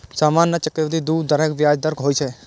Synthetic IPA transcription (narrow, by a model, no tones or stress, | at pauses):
saːmaːnːat͡ʃəkəʋd̪id̪uːd̪əɾeːkʋjaːd͡ʒd̪əɾkɦoːit͡ʃʰe